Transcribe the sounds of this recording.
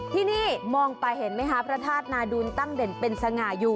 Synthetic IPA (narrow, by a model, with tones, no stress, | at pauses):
t̪ʰiː˥˩niː˥˩mɔː˧ŋpa˧jhe˨˩˦nma˦˥jɦaː˦˥pʰɾa˦˥t̪ʰaː˥˩t̪̚naː˧duː˧nt̪a˥˩ŋde˨˩npe˧nsa˧ŋaː˨˩˦juː˨˩